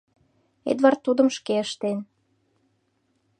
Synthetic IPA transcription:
ḛd̪vɑrt̪ːud̪ə̆mʃkeəʃt̪en

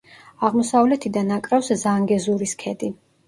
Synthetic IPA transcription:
aʁmɔsavlɛt̪ʰid̪anakʼɾafszaŋɡɛzuɾiskʰɛd̪i

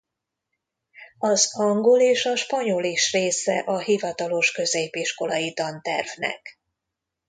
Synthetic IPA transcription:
ɒzɒŋɡoleːʃɒʃpɒɲo̞liʃreːsɛʔɒɦivɒt̪ɒlo̞ʃkø̞zeːpiʃko̞lɒjid̪ɒnt̪ɛ̰rvnɛ̰k

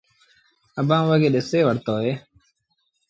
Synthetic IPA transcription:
əbãːʋəɡeːɗɪseːʋəɽt̪oːɦeː

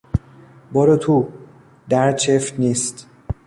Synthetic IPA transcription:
bɒːɾot̪ʰuː | d̪æɾt͡ʃʰeft̪niːst̪

